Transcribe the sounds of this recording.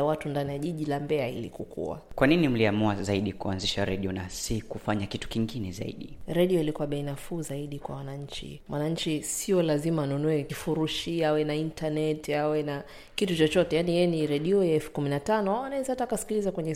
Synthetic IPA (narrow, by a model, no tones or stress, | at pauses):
awatundanijaʄiʄilambɛaḭlḭkukʰṵa̰kwaninim̩liamuazaiɗikuanziʃaɾɛɗiɔnasikufaɲakitu̥kiŋɡinɛza̰ḭɗiɾɛɗiɔilikuwaɓɛinafuːzaiɗikwa̰wanaɲ̩t͡ʃḭmwʔanaɲ̩t͡ʃisiɔlazimaːnunuɛkifuɾuʃiawɛnaintanɛtawɛna | kitut͡ʃɔt͡ʃɔtɛjanijɛɛniɾɛɗiɔjaɛfu̥kuminatanɔaanaɛzahatakasi̥kilizakwɛɲɛ